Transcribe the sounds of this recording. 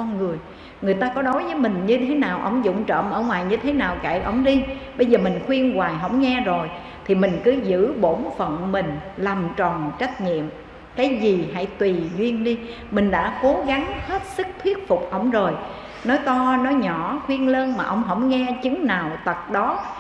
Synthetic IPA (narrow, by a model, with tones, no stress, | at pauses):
ɔ˧nŋɨ˨˩əj | ŋɨ˨˩əjt̪aː˧kɔ˨˦ɗɔ˨˦jvəː˨˦jmï˨˩ŋ̟ɲɨ˧t̪ʰe˨˦naː˨˩wʔə̰˧˩wŋ͡mzʊ̰˧˨ŋ͡mt͡ɕə̰ː˧˨mʔəː˧˩ŋwaː˨˩jɲɨ˧t̪ʰe˨˦naː˨˩wka̰˧˨jʔə̰˧˩wŋ͡mɗi˧ɓə˧jzəː˨˩mï˨˩ŋ̟xwi˧ənɣwaː˨˩jɦə̰˧˥˩wŋ͡mŋɛ˧zo˨˩j | t̪ʰi˨˩mï˨˩ŋ̟kɨ˨˦zɨ̰˧˥ɓo˧˩nfə˨nmï˨˩ŋ̟la˨˩mt͡ɕɔ˨˩nt͡ɕa˦˥k̟̚ɲḭ˧˨əm | kaː˨˦jzi˨˩ɦa̰˧˥jt̪wi˨˩zwi˧ənɗi˧ | mï˨˩ŋ̟ɗa̰ː˧˥ko˨˦ɣa˨˦ŋhe˦˥t̚sɨ˦˥k̚t̪ʰwi˦˥ət̚fʊ˨˩k͡p̚ʔə̰˧˩wŋ͡mzo˨˩j | nɔ˨˦jt̪ɔ˧nɔ˨˦jɲɔ˧˩xwi˧ənləː˧nmaː˨˩ʔə˧wŋ͡mɦə̰˧˩wŋ͡mŋɛ˧t͡ɕɨ˨˦ŋnaː˨˩wt̪ə˨˩t̚ɗɔ˨˦